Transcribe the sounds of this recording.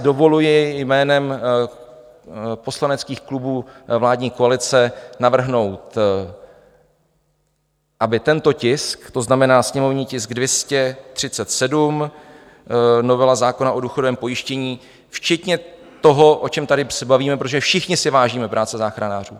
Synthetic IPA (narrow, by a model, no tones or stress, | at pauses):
do̞vo̞lujɪjmɛːnɛm | po̞slanɛt͡skiːxklubuːvlaːdɲiːkoalɪt͡sɛnavr̩ɦno̞wt̪ | ʔabɪt̪ɛnt̪o̞cɪskt̪o̞znamɛnaːsɲɛmo̞vɲiːcɪsɡdvjɛscɛt̪r̝̥ɪt͡sɛt̪sɛdum | no̞vɛlazaːko̞naʔo̞duːxodovɛːmpo̞jɪʃcɛɲiː | ft͡ʃɛt̪ɲɛ | t̪o̞ɦo̞ʔo̞t͡ʃɛmt̪adɪsɛbaviːmɛpɾot̪oʒɛfʃɪxɲɪsɪvaːʒiːmɛpɾʔaːt͡sɛzaːxɾanaːr̝ṵː